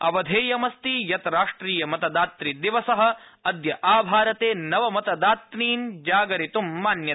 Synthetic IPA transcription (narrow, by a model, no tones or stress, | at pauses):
ɐʋɐd̪ʱeːjɐmɐst̪ijɐt̪ɐɾaːʂʈɾiːjɐmɐt̪ɐd̪aːt̪ɾid̪iʋɐsɐɦɐ̆ | ɐd̪jɐʔaːbʱaːɾɐt̪eːnɐʋɐmɐt̪ɐd̪aːt̪niːnd͡ʒaːɡɐɾit̪umːaːnjɐ